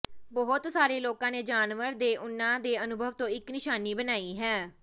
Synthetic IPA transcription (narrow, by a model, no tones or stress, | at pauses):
bɔɦʊt̪saːɾeːloːkãːneːd͡ʒaːnʋəɾd̪eːʔʊnːãːd̪eːənʊbʱəʋt̪õːɪknɪʃaːniːbənaːiːɦɛː